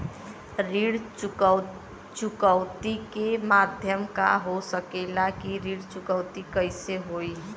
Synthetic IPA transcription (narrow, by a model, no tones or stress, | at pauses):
ɾiɽ | t͡ʃukəwt̪ikemad̪ʱjəmka̰ɦosəkelakiɾiɽt͡ʃukəʊt̪ikəɪseɦoi